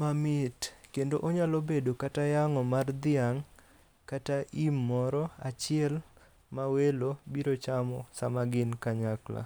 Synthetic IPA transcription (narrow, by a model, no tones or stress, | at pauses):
mamɪtkendoʔoɲalobedokatajaŋɔmard̪ɪaŋ | kataʔimːɔɾɔat͡ʃɪɛl | mawelobiɾot͡ʃamɔsamaɡɪnkaɲakla̰